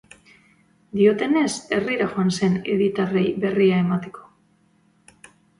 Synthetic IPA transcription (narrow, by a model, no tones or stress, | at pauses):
d̪io̞t̪e̞ne̞se̞riɾaʝo̞anse̞ne̞̰ðit̪are̞jβe̞riae̞mat̪e̞ko̞̥